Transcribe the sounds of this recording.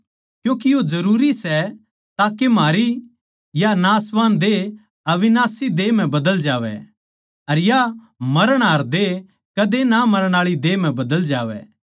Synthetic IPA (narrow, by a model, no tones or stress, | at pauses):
kjũːkijozɐɾuːɾisɛ | t̪aːkemaːɾi | janasʋaːnd̪e | ɐʋɪnaːsid̪eːm̤ɛ̃bɐd̪əld͡ʒaːʋɛ̰ | ɐɾja | mɐɾəɽ̃aːɾd̪e | kɐd̪enamɐɾəɽ̃aːɭid̪eːm̤ɛ̃bɐd̪əld͡ʒaːʋɛ̰